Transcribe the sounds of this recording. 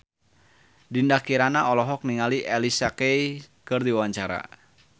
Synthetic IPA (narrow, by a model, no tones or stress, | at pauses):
dindakiɾanaɔlɔɦɔk̚niŋaliʔɛlisakejkɨrdiwawaɲt͡ʃaɾa̰